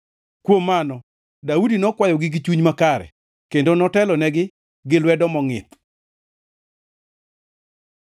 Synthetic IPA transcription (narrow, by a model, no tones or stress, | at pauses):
kwomːanɔ | daudinɔkwajɔɡɪɡɪt͡ʃuɲmakaɾɛ̰ | kendonɔtɛlɔnɛɡɪ | ɡɪlwɛdɔmɔŋɪ̰t̪